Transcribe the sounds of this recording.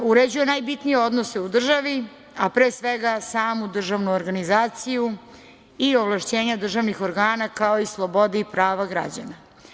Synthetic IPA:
uɾed͡ʑuje̞najbit̪nijeo̞d̪noseud̪r̩ʒaʋi | apɾeːsʋeɡasaːmud̪r̩ʒaʋnuoɾɡanizaːt̪siju | ioʋlˠaʃt͡ɕe̞ːɲad̪r̩ʒaʋnixo̞ɾɡaːnakao̞islˠo̞bo̞d̪iipɾaːʋaɡɾa̰d͡ʑa̰na

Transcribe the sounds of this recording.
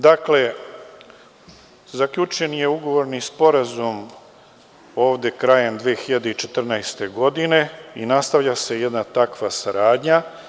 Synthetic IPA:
d̪akle̞ | zakʎut͡ʃe̞nije̞uɡo̞ʋo̞ɾnispo̞ɾazum | o̞ːʋd̪e̞kɾaːje̞md̪ʋeːxiʎad̪e̞it͡ʃe̞t̪r̩naest̪e̞ɡo̞d̪ine̞inast̪aʋʎase̞je̞d̪nat̪akʋasaɾaːd̪ɲa

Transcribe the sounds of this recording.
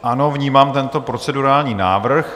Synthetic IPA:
ʔano̞vɲiːmaːmt̪ɛnt̪o̞pɾo̞t͡sɛduɾaːlɲiːna̰ːvr̩x

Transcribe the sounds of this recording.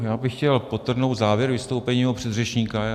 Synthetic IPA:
jaːbɪxcɛlpot̪r̩nowt̪zaːvjɛɾvɪst̪owpɛɲiːmɛɦopr̝̥ɛd̪rɛt͡ʃɲiːka

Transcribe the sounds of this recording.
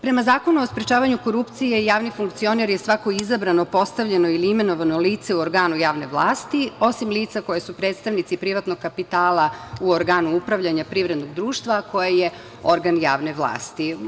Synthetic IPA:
pɾe̞mazaːko̞nuospɾet͡ʃaːʋaɲuko̞ɾupt̪sijeijaːʋnifuŋkt̪sio̞neɾjesʋako̞izabɾano̞po̞st̪aʋʎenoiliime̞no̞ʋano̞liːt̪se̞uoɾɡaːnujaːʋne̞ʋlˠa̰ːst̪io̞simliːt̪sako̞jesupɾeːt̪st̪aʋnit̪sipɾiʋat̪noɡ̚kapit̪aːlauoɾɡaːnuupɾaʋʎaɲapɾiʋvɾe̞d̪no̞ɡd̪ɾuːʃt̪ʋako̞jeje | o̞ɾɡanja̰ːʋne̞ʋlˠa̰ːst̪i

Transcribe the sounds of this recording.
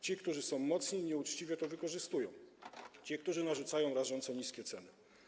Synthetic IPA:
t͡ɕikt̪uʐɘsɔ̃w̃mɔt̪sɲiɲɛut͡ʂt͡ɕivʲjɛt̪ɔvɘkɔʐɘst̪ujɔ̰̃w̃t͡ɕik̚t̪uʐɘnaʐut̪sajɔ̃w̃ɾaʐɔnt̪sɔɲiskʲɛt̪sɛnɘ

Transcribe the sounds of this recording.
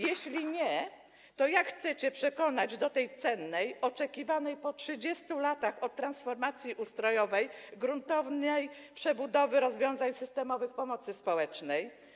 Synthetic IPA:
jeɕlʲiɲɛ | t̪ɔjakxt̪sɛt͡ɕɛpʂɛkɔnad͡ʑd̪ɔt̪ɛjt̪sɛnːɛjɔt͡ʂɛkʲivanɛjpɔtʂɘd͡ʑɛst̪ulat̪axɔt̪̚ːɾansfɔɾmat̪sʲjiʔust̪ɾɔjɔvɛjɡɾunt̪ɔvnɛjpʂɛbud̪ɔvɘɾɔzvʲjɔ̃w̃zaɲsɘst̪ɛmɔvɘxpɔmɔt̪sɘspɔwɛt͡ʂnɛj

